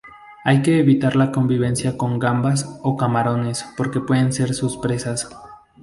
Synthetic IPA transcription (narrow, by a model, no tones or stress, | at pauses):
ajke̞ːβit̪aɾlako̞mbiβ̞e̞nsjako̞ŋɡambaso̞kamaɾo̞ne̞spo̞ɾke̞pwe̞ðe̞nse̞ɾsuspɾe̞sas